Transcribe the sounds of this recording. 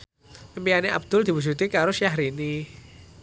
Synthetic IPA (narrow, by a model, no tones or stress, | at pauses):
əmbijaneʔa̰b̚d̪̥ʊld̪i̤bud͡ʒut̪ikaɾosaɦɾini